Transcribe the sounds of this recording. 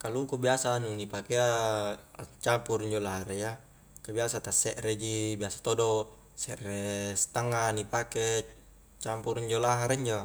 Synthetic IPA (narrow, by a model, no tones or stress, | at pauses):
kalukubiasanunipakea | t͡ʃampuɾiɲd͡ʒolaɦaɾeja | kabiasat̪asɛʔɾed͡ʒibiasḁt̪odo | sɛʔrest̪aŋɡanipake | t͡ʃampuɾiɲd͡ʒolaɦaɾiɲd͡ʒo